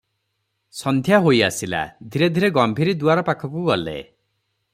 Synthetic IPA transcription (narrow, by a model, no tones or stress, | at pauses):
sɔnd̪ʱjaɦoja̰sila̰d̪ʱiɾed̪ʱiɾeɡɔmbʱiɾid̪uaɾɔpakʰɔkuɡɔlḛ